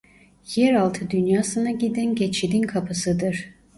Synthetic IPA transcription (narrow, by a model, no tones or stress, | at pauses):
jɛɾalˠt̪ʰɯd̪ynjaːsɯnaɟid̪ænɟet͡ʃʰid̪inkʰapʰɯsɯd̪ɯɾ̥